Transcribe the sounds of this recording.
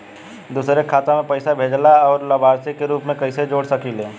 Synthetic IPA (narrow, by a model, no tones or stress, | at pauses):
d̪uːsɾekʰaːt̪ãmẽpɐɪsabʱeːd͡ʒlaɔːɾlɐbaːɾsikeɾuːpmẽkɐised͡ʒoːɽsɐkileː